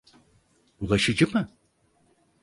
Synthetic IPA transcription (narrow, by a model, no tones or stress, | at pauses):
bulˠaʃɯd͡ʒɯmɯ